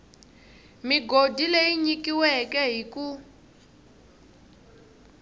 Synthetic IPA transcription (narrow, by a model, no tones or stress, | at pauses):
miɡodʱileiɲikiwɛkɛɦiku